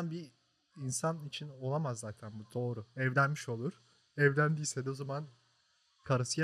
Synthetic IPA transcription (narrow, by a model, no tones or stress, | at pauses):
nbi | insanit͡ʃʰino̞lˠamazːaːt̪ʰænbud̪ʰo̞ːɾuɛvlʲænmiʃo̞lˠuɾ̥ | ɛvlʲænd̪iːsed̪ozaman | kʰaɾɯsɯj